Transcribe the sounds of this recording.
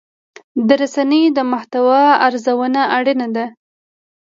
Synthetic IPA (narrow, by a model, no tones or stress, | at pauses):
d̪əɾasanəjd̪əmaht̪awɑaɾzawənaʔaɽənad̪a